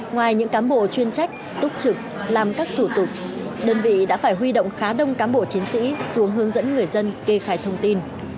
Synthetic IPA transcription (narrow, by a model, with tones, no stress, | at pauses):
ŋwaː˨˩jɲɨ̰˧˥ŋkaː˨˦nɓo̰˧˨t͡ɕwi˧ənt͡ɕa˦˥jk̟̚ | t̪ʊ˦˥k͡p̚t͡ɕɨ˨˩k̚laː˨˩mkaː˦˥k̚t̪ʰu˧˩t̪ʊ˨˩k̚ɗəː˧nvḭ˧˨ɗa̰ː˧˥faː˧˩jɦwi˧ɗo̰˧˨wŋ͡mxaː˨˦ɗə˧wŋ͡mkaː˨˦nɓo̰˧˨t͡ɕi˨˦nsḭ˧˥su˨˦əŋɦɨ˨˦əŋzə̰˧˥nŋɨ˨˩əjzə˧nke˧xaː˧˩jt̪ʰə˧wŋ͡mt̪i˧n